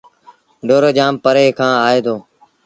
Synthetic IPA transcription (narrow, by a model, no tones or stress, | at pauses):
ɖoːɾeːd͡ʒaːmpəɾeːkʰãːaːeːd̪oː